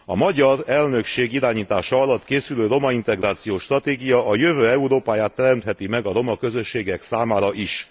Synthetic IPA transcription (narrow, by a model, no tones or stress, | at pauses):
ɒ̰mɒɟɒrɛlnø̞kʃeːɡiɾaːɲiːt̪aːʃɒɒlɒt̪keːsyløːɾo̞mɒint̪ɛɡraːt̪sijoːʃt̪rɒt̪eːɡijɒʔɒjø̞vøːɛuɾoːpaːjaːt̪ːɛɾɛmt̪hɛt̪imɛɡɒɾo̞mɒkø̞zø̞ʃːeːɡɛksaːmaːɾɒʔiʃ